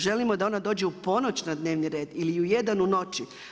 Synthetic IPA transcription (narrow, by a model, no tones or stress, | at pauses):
ʒe̞limo̞d̪ao̞nad̪o̞ːd͡ʑeupo̞no̞t͡ɕnad̪ne̞ːʋniɾe̞ːd̪iliujed̪anuno̞t͡ʃi